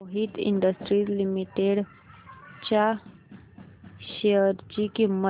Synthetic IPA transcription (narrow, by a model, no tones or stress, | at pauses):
ɦit̪ḭɳɖəsʈɾizlimiʈeɖ | t͡ɕa | ʃeəɾd͡ʒikimə